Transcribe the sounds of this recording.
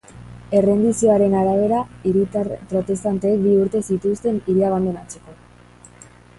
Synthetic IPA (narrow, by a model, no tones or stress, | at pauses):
e̞re̞nd̪isio̞aɾe̞naɾaβ̞e̞ɾaiɾit̪apɾo̞t̪e̞st̪ant̪eːk̚biuɾt̪e̞sit̪ust̪e̞niɾiaɣand̪enat͡se̞ko̞